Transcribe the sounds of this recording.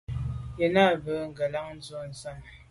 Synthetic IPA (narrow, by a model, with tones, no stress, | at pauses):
jɛ˨na˦˨bə˨ŋ̩˨ɡə˨la˦ŋn̩˦d͡zo˦˨n̩˨sa˦˨m